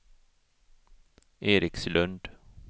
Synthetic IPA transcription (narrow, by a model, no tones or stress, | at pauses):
eːɾɪkslɵnd̪